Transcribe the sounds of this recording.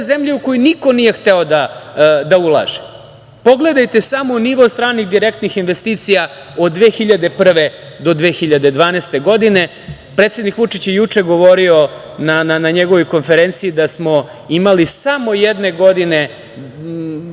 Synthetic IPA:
zemʎeukojuniko̞nije̞xt̪eo̞d̪ad̪aulˠa̰ːʒe̥ | po̞ɡle̞d̪ajt̪e̞samo̞niʋo̞st̪ɾaːniɣd̪iɾe̞kt̪nixinʋe̞st̪iːt̪sija | o̞d̪d̪ːʋeːxiʎad̪e̞pr̩ʋe̞ | d̪o̞d̪ʋe̞ːxiʎad̪e̞d̪ʋaːnest̪e̞ɡo̞d̪ine̞ | pɾet̪sʲe̞d̪nikʋut͡ʂit͡ɕjejut͡ʂe̞ɡo̞ʋo̞ɾio̞ | nananaɲeɡoʋo̞jko̞nfe̞ɾe̞nt̪sijid̪asmo̞ | imalisamo̞jed̪ne̞ɡo̞d̪ine̞

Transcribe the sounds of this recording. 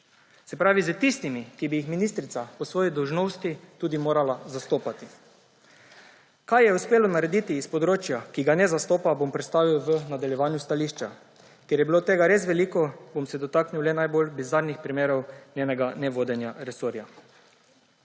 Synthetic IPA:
sɛpɾaːʋizət̪ist̪imikibijixminist̪ɾit̪sapɔsʋoːjid̪ɔwʒnowst̪it̪uːd̪imoːɾalazast̪oːpat̪i | kajjɛuspeːlɔnaɾɛd̪it̪iːspɔd̪ɾoːt͡ʃjakiɡanɛzast̪oːpabompɾɛt̪st̪aːʋiwʋənad̪aljɛʋaːnjust̪aliːʃt͡ʃa | kjɛɾjɛbiloːt̪eːɡaɾesʋɛliːkɔbomsɛd̪ɔt̪aːkniwlɛnajbolbizaɾnixpɾimeːɾɔwnʲjeːnɛɡanɛʋoːd̪ɛnjaɾɛsoɾja

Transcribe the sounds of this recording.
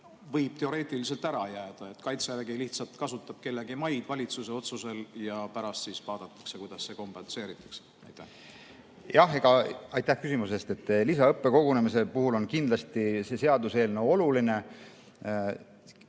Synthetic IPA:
vɤjb̥̚t̪e̞o̞ɾe̞ːt̪ˑilise̞lt̪æɾɑjæːd̪̥ɑet̪kɑjt̪sæɾɡiliht̪sɑlt̪kɑsut̪ːˑɑb̥̚ke̞lːeɡimɑjd̪̥vɑlʲit̪suse̞o̞t̪suse̞ljɑpæɾɑst̪siːsvɑːd̪̥ɑt̪ːˑɑ̥ksekujd̪ɑsːeko̞mpense̞ːɾit̪ːˑɑ̥ks | jt̪ːæ | jʔɑheɡ̥ɑɑjt̪ːæhkysimuse̞st̪e̞t̪ːˑlisɑɤpːe̞ko̞ɡune̞misepuɦulo̞nkind̪̥lɑst̪ise̞se̞ɑd̪use̞ːlneo̞luline̞

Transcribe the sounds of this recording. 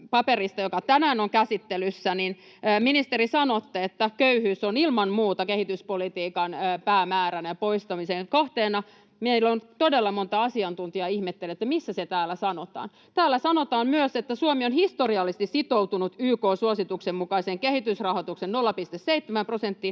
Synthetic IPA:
pɑperist̪ɑjokɑt̪ænæːnoŋkæsit̪ːelysːæninː | minist̪eɾisɑnot̪ːeet̪ːækøyhyːsonilmɑnmuːt̪ɑkehit̪yspolit̪iːkɑnːpæːmæːɾænæjɑpoist̪ɑmiseŋkoht̪eːnɑ | mieilːont̪odelːɑmont̪ɑɑsiɑnt̪unt̪iɑihmet̪ːelːet̪ːæmisːæset̪æːlːæsɑnot̪ɑ̰ːn | t̪æːlːæsɑnot̪ɑːnmyøset̪ːæsuomionhist̪oriɑlːist̪issit̪owt̪unut̪yːkoːsuosit̪uksemmukɑiseːŋkehit̪ysrɑhot̪uksennolːɑpist̪esseit̪ːemæmprosent̪ːi

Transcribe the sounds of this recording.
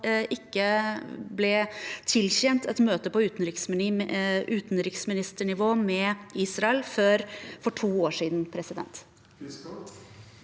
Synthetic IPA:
ʔɪkːəblɛt̪ʰɪlçɛnt̪ʰɛt̪møːt̪əpɔʉːt̪n̩ɾɪksm | ʉːt̪nɾɪksmɪnɪst̪əɳɪʋoːmɛiːsɾɑɛlføɾfɔʈʰuːoːʂiːd̪npʰɾɛsɪd̪ɛ̰nt̪

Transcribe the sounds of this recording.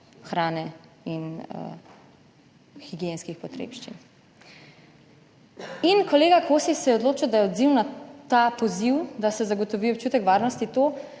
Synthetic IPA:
xɾaːnɛin̰ | xiɡijenskixpɔt̪ɾḛːpʃt͡ʃḭn | inkɔleːɡakʰoːsisɛjɛɔd̪loːt͡ʃid̪ajɛɔd̪ziwnat̪apɔziwd̪asɛzaɡɔt̪ɔʋiːɔp̚t͡ʃuːt̪ɛkʋaːɾnɔst̪it̪oː

